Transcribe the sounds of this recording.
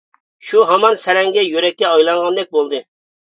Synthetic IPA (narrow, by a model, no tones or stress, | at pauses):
ʃuɦɑmɑnsɛɾɛŋɡʲɛjøɾɛkʲːɛɑjlˠɑɴʁɑnd̪ɛk̚ʲbolˠd̪ɨ